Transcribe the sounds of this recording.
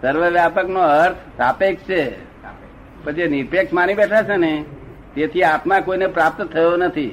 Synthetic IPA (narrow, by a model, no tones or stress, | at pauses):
səɾʋəʋjapəknoəɾt̪ʰsapekt͡ʃʰe | pət͡ʃʰieniɾpeksmanibɛʈʰat͡ʃʰene | t̪et̪ʰiat̪mãkoinepɾap̚t̪t̪ʰːəjonət̪ʰi